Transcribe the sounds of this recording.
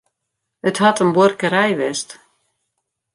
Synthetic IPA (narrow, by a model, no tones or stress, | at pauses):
əthatənborkəɾɛjʋɛst